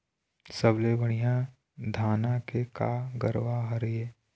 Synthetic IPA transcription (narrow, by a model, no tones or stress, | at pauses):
səblebəɽ̃ijã | d̪ʱaːnakeka̰ɡə̰ɾʋaɦɐɾjeː